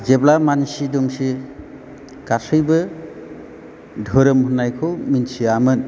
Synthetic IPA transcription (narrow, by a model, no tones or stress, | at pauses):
zeblamansidumsi | ɡ̥asʰɯjbɯ | dʱɔɾɯmhunajkʰɯwminsiamɯn